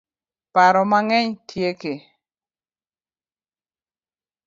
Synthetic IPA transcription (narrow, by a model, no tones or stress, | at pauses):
paɾɔmaŋɛɲtʰjeke